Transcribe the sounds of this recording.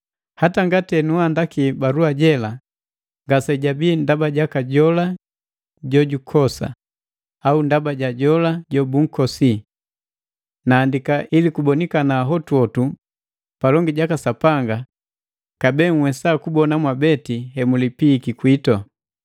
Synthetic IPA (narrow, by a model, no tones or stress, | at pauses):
hataŋɡatɛnuandakibaɾuaɟɛla | ŋɡasɛɟabiːndabaɟakaɟɔla | ɟɔɟukʰɔsa̰ | aundabaɟaɟɔlaɟɔbuŋ̩kɔsi | naːndikaʔilikubɔnikanaːɦɔtwɔtu | palɔŋɡiɟakasapaŋɡa | kabɛːŋ̩wɛsakubɔnamwabɛtihɛmulipikikwitɔ